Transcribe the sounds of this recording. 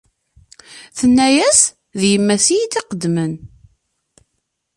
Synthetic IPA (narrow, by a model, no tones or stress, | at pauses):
θənːæjæs | ðjəmːæsijid̪iqəd̪mən